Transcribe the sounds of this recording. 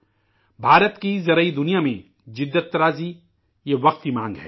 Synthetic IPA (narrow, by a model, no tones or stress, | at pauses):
bʱaːɾət̪kizɐɾəid̪ʊnijamẽ | d͡ʒɪd̪ːət̪ːɐɾaːzi | jeʋɐqt̪imãːŋɡɦɛ̰ː